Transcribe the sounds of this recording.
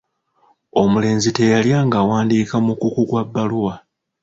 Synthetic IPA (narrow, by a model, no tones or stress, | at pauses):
o̞mule̞ːnzite̞jaljaːŋɡaːwaːndikamukukukwabːaluwa